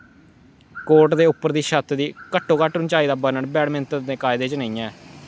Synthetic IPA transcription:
koːɾʈd̪eːʊpːəɾd̪iːʃət̪ʰd̪iːkəʈʰːoːkaːʈʊnt͡ʃaːiːd̪aːbənəɳbɛːɽmɪnt̪ɾd̪eːkaːɪd̪eːt͡ʃənəĩːɛ̃ː

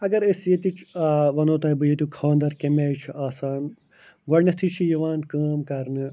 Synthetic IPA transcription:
ɐɡɐɾesjet̪it͡ʃʰʋɐnoːt̪ɐːbɨjet̪ukʰɐʋɐnd̪ɐɾkemeːjt͡ʃʰiaːsaːn | ɡɐɽnɐt̪ʰit͡ʃʰijɐʋaːnkɐːmkɐɾnɨ

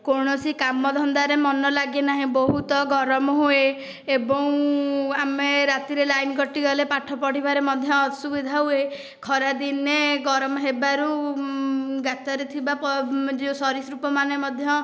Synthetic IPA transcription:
koɾɽ̃ɔsikamɔd̪ʱɔnd̪aɾemɔnɔlaɡenaɦĩbɔɦut̪ɔɡɔɾɔmɔɦue | ebɔw̃ameɾat̪iɾelajnɡɔʈiɡɔlepaʈʰɔpɔɽ̤ibaɾemɔd̪ʱjɔːsubid̪ʱaɦue | kʰɔɾad̪ineɡɔɾɔmɔɦebaɾu | ɡat̪ɔɾet̪ʰibapɔd͡ʒeusɔɾisɾupɔmanemɔd̪ʱjɔ

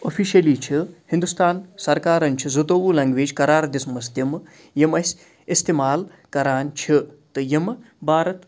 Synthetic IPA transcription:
ofʰiːʃɐliːt͡ʃʰihind̪ust̪aːnsɐɾkaːɾɐnt͡ʃʰizɐt̪oːʋuːlɐŋɡʋeːd͡ʒkɐɾaːɾd̪ismɐsd̪jɐm | jɐmɐsʲ | ist̪imaːl | kɐɾaːnt͡ʃʰit̪ɨjɐm | bʱaːɾɐt̪

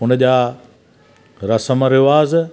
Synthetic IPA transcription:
ʊnəʄaː | ɾɐsəməɾɪʋaːz

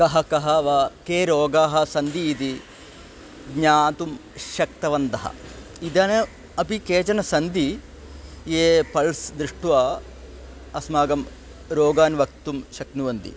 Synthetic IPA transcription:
kɐɦɐkɐɦɐʋɐkeːɾoːɡaːɦɐ̆sɐnd̪iːt̪i | ɡɲaːt̪umʃɐk̚t̪ɐʋɐnd̪ɐɦɐ̰ | id̪ɐnɐ | ɐpikeːt͡ʃɐnɐsɐnd̪i | jeːpɐɭsd̪ɾiʂʈuʋaː | ɐsmaːɡɐm | ɾoːɡaːnʋɐk̚t̪umʃɐknuʋɐnd̪ḭ

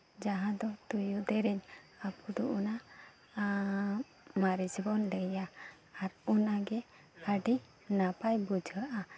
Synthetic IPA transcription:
d͡ʒaɦãd̪ɔt̪ujud̪ɛɾɛɲ | apkud̪ɔʔuna | maɾid͡ʒbɔnləjaː | ɾunaɡɛ | aɖi | napajbud͡ʒʱəʔa

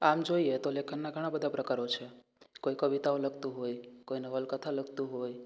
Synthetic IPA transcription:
amd͡ʒoiet̪olekʰənːaɡʱəɽ̃abəd̪apɾəkaɾot͡ʃʰɛ | koikəʋit̪aõləɡt̪uɦojkoinəʋəlkət̪ʰaləɡt̪uɦoj

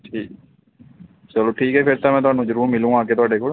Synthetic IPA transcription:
ʈʰiːk | t͡ʃəloːʈʰiːkɦɛːpʰɪɾt̪ãːmɛ̃ːt̪ʊɦaːnũːd͡ʒəɾuːɾmɪlũːãːkeːt̪̬ʊaːɖeːkoːl

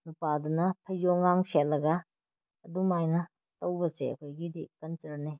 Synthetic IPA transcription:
nupadunɐpʰɐjzoŋaŋsetlːɐɡɐː | dumajnɐ | tɐwbɐsḛɐ̰kʰojɡidikɐnsɐɾne

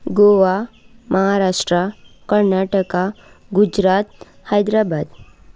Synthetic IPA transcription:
ɡoʋamʔəɦaɾaʂʈɾakəɾnaʈəka | ɡud͡ʒɾat̪̚ | hajd̪ɾabad̪

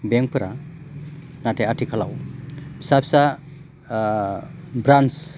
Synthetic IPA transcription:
bɛŋpɯɾa | natʰeatʰikʰalawpʰi̥sapʰisa | bɾans

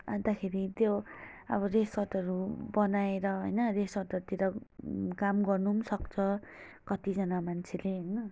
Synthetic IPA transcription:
ant̪akʰeɾit̪joʌ̰βʌreswʌʈ̪ʌɾubʌnaeɾʌɦo̰jnʌreswʌrʈ̪ʌɾt̪iɾʌkamɡʌrnumsʌkt͡sʰʌkʌt̪id͡zʌnamant͡sʰeleɦʌjnʌ

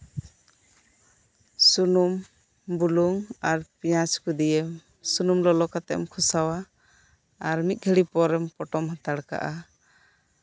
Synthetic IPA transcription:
sunum | buluŋaɾpijaskud̪ijɛm | sunumlɔlɔkat̪ɛ̰mkʰusawa | aɾmit̪̚ˀɡʱəɽipɔɾɛmpɔʈɔmɦat̪aɽka̰ʔa

